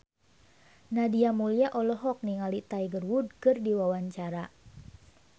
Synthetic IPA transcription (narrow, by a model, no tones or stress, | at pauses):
nadiamuliaʔɔlɔɦɔk̚niŋalit̪aiɡərwud̚kɨrdiwawaɲt͡ʃaɾa